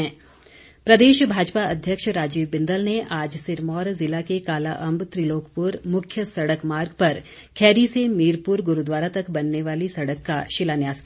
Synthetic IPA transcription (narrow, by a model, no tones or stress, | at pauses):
ɛ̃ː | pɾɐd̪eːʃbʱaːd͡ʒpaɐd̪ʱjəkʃɾaːd͡ʒiːʋbɪ̃nd̪əlneʔaːd͡ʒsɪɾmɔːɾzɪlakekaːlaʔɐ̃mbt̪ɾiloːkpʊɾmʊkʰjəsɐɽəkmaːɾɡpɐɾ | kʰɛːɾisemiːɾpuɾɡʊɾud̪ʋaːɾat̪ɐkbɐnːeʋaːlisɐɽəkːaʃɪlaːnjaːz̥ki